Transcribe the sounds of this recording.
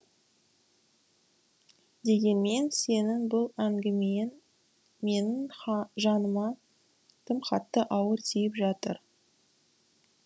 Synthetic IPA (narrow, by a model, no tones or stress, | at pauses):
d̪e̞ɡʲe̞nme̞nse̞nɪŋbʊlˠæŋɡʲɪmejn | me̞nɪŋʒɑnəmɑ | t̪ʰəmχɑt̪ːəʔɑwəɾt̪ʰijɪpʒɑt̪əɾ